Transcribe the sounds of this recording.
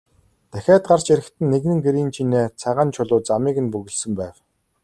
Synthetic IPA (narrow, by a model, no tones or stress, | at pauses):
t̪æxʲæːt̪ɢart͡ɕeɾɘ̆kt̪ʰɘ̆nːeɣnɘ̆ŋɡeɾiːnt͡ɕʰineːt͡sʰaʁaːnt͡ɕʰʊɮʊːt͡samiːɣɘ̆npɵɣɘ̆ɮsɘ̆mpæːw